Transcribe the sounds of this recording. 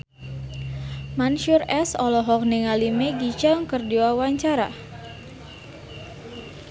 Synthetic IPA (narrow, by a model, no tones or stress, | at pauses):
manʃurɛsɔlɔɦɔk̚niŋalimeɡit͡ʃaŋkərdiwawaɲt͡ʃaɾa̰